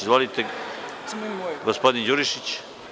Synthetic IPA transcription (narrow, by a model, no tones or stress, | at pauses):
zvolit̪ɛ | ɡospod̪ind͡ʒuɾiʃit͡ɕ